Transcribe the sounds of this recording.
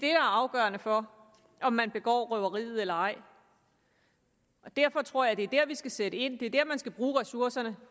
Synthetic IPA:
d̥e̝ɾ̥ɑ̈æɐɑ̈ʊɡ̥œːɐnəfɒ̽ | ʔɒ̽mːænb̥e̝ɡ̥ɒ̰ːʁœʊɐʁḭːð̞̩ˠelɐɑ̈ɪ̰ | ʔɒ̽d̥æɐ̰fɒ̽t͡sʰʁo̝ɐ̰jɑ̈d̥e̝æɐd̥æɐ̰ʋisɡ̥æseɾ̥əe̝n̰d̥e̝æɐd̥æɐ̰mænsɡ̥æb̥ʁuːʁɛsuɐsɐnə

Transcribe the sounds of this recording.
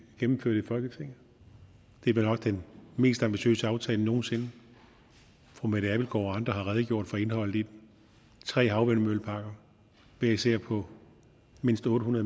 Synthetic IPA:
ɡ̥emm̩føɐ̰d̥ifɒ̽lɡ̥ət͡sʰʁe̝ŋ̰ | d̥e̝benɒ̽ɡ̥̚d̥enme̝̰ːsd̥ɑ̈mb̥iɕø̰ːsəɑ̈ʊt͡sʰɛːləno̝ːn̩se̝nə | fʁomeɾ̥æʋilɡ̥ɒ̰ːɒɑ̈nd̥ʁɐɦhɑ̈ʁɛðˠɡ̥jo̝ɐ̰d̥fɒ̽e̝nɦɒ̽l̰ld̥i̥ | t͡sʰʁɛ̰ːɦɑ̈ʊʋenmølpʰɑ̈ɡ̥ɐ | ʋeɐiseɐ̰pʰɒ̽ | me̝n̰sd̥ɔ̽ːɾəhunɐðˠ

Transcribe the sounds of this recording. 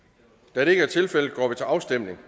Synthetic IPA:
d̥æd̥e̝e̝ɡ̥əæɐt͡sʰe̝lfel̰ð̩ˠɡ̥ɒ̰ːʋit͡sʰe̝ɑ̈ʊsd̥em̰ne̝ŋ

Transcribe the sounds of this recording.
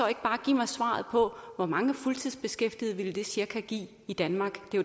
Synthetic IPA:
ɒe̝ɡ̥b̥ɑ̈ːɡ̥ḭːmɑ̈ɪsʋɑ̰̈ːð̞̩ˠpʰɒ̽ʋɒmɑ̈ŋəfult͡sʰið̰ˠsb̥e̝sɡ̥efd̥ið̞̩ˠʋiləd̥e̝siɐkʰæɡ̥ḭː | id̥ænmɑ̈ːɡ̥d̥e̝

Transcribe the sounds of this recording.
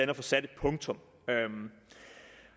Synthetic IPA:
ænɐfɒ̽sæd̥e̝d̥̚pʰɔ̽ŋt͡sʰɔ̽m | øm

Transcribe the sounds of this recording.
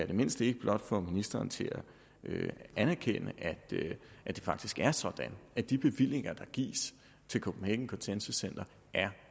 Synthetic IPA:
æɐd̥eme̝n̰sd̥e̝ɡ̥əb̥lɒ̽d̥fɒminisd̥ɐːnt͡sʰe̝læ | øænæɐkʰenəʔæ̥ʔæd̥e̝fɑ̈ɡ̥̚d̥isɡ̥æɐsɒ̽d̥ænæd̥ib̥e̝ʋil̰e̝ŋɐd̥ɑ̈ɡ̥ḭːs | t͡sʰe̝lkʰob̥m̩heɡ̥ŋ̩kʰɔ̽nsensusen̰d̥ɐ | ʔæɐ

